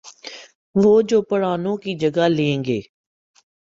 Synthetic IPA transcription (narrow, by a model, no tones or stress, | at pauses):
ʋoːd͡ʒoːpəɽaːnõːkiːd͡ʒəɡaːlẽːŋɡeː